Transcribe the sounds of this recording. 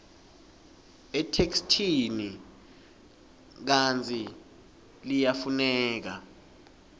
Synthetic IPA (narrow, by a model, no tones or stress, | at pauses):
ɛtʰekstʰini | k̬ant͡sʰʼi | lijafunɛːk̬a